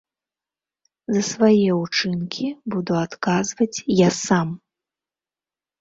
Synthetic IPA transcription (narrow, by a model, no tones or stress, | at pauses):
zɐsvajɛut͡ʂɨnkʲibud̪uat̪kazvɐt͡sʲjasam